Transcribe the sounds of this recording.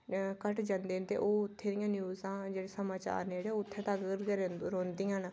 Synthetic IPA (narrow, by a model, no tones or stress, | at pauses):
kəʈd͡ʒãːnd̪eːnt̪ḛːʔoːʊt̪ʰːeːd̪ɪjãːnjuːzãːd͡ʒeːɽeːsəmaːt͡ʃa̰ːɾneːɽeoʊt̪ʰːeːt̪aɡəɾɡeɾeɾõːnd̪ijãːn